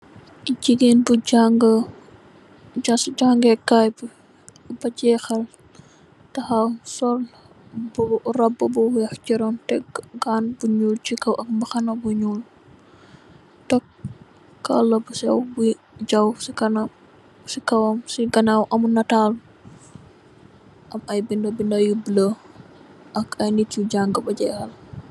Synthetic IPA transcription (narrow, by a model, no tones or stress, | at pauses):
ɟiɡenbuɟaŋɡ | asɟaŋɡɛkːajb | bɐɟɛːxɐl | tɐhɐsɔl | burɐbːɐbuwjɐxt͡ʃiɾɔmtɛɡɡanbuɲult͡ʃikɐwʔɐk̚mbɐxɐnɐbuɲul | tɔk | kːɐlɐbusɛwbu | ɟɐwsikɐn | sikɐwɐmsiɡɐnawʔɐmunɐtal | ʔɐmɐjbindɐbindɐjublə | ʔɐkɐjnituɟaŋɡəbɐɟɛxɐl